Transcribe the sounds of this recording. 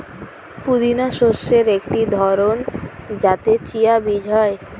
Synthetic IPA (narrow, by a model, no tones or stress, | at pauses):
pud̪inaʃoʃːeɾek̚ʈid̪ʱɔɾond͡ʑat̪et͡ɕijabid͡ʑʱɔe